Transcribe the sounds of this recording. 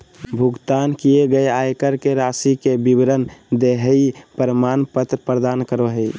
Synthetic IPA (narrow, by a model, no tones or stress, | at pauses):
bʱuɡt̪ankijeɡəeajkəɾkeɾasikebibɾənd̪eɦəipəɾəmanpət̪ɾpɾəd̪ankəɾoɦəi